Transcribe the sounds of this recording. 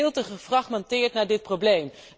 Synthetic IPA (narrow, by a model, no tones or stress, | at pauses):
lˠtəχəfrɑχmɑntɪːɹtnaːɹdɪt̚prowblejm